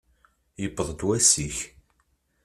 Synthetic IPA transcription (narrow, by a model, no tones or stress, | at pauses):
jəbəðˤd̪wæsiç